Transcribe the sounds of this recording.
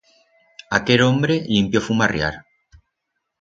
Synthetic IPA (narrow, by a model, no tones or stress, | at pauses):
akelombɾelimpjofumarja̰ɾ